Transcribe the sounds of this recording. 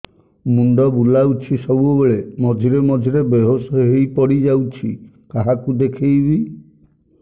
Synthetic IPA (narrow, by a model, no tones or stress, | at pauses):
muɳɖɔbulawt͡ʃʰisɔbubeɭemɔd͡ʒʱiɾemɔd͡ʒʱiɾebeɦosɔɦejpɔɽid͡ʒawt͡ʃʰi | kaɦakud̪ekʰejbi